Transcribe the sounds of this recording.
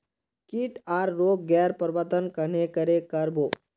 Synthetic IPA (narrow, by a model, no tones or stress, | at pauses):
kiʈaːɾːoːk̚ɡɛːɾpəɾʋət̪ənkənekəɾekəɾboː